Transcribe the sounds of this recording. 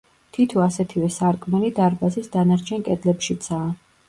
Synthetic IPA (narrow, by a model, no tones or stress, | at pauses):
t̪ʰit̪ʰɔasɛt̪ʰivɛsaɾkʼmɛlid̪aɾbazisd̪anaɾt͡ʃʰɛnkʼɛd̪lɛpʃit̪sʰaː